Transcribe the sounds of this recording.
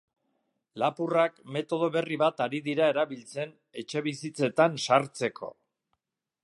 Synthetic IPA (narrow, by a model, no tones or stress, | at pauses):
lapurakme̞t̪o̞ð̞o̞βe̞riβat̪aɾiðiɾae̞ɾaβilt͡se̞n | e̞t͡ʃe̞βisit͡se̞t̪ansaɾt͡se̞kʰo̞̰